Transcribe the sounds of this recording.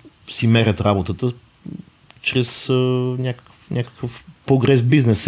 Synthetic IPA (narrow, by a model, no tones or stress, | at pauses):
simɛɾʲət̪ɾabot̪ət̪ə | t͡ʃɾɛsənʲakə̥k | nʲʔakə̥kəfpɾoɡɾɛzbiznɛs